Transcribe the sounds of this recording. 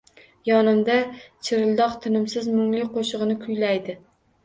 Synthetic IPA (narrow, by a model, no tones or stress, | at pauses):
jɒnɪmd̪at͡ʃʰɪɾɪlˠd̪ɒqt̪ʰɪnɪmsɪzmʊŋlɪqʰoʃɨʁɨnɪkʲʰʊlːajd̪ɪ